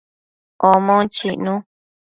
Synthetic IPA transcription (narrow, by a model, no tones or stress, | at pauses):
omõt͡ʃiʔnũ